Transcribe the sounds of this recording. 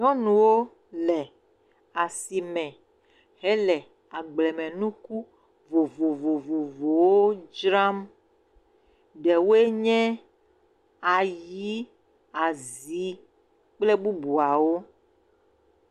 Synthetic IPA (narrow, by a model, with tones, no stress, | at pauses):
ɲɔ̃˦nũ˨wo˦ | lɛ˨ | a˨si˨mɛ̃˨ | ɦɛ˦lɛ˨ | a˨ɡ͡blɛ˨mɛ̃˨nũ˦ku˦ | vo˨vo˨vo˨vo˨vo˨wo˦d͡ʒɾa˦m | ɖɛ˨wo˦e˦ɲɛ̃˦ | a˨ji˨˦ | a˨zi˨˦ | k͡plɛ˦bu˦bu˨a˨wo˦